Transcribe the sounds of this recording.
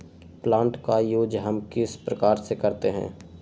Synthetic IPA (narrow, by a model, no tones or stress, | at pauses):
plãːɳʈkajoːd͡ʒɦɐmkɪspɾɐkaːɾsekɐɾt̪eɦɛ̰̃ː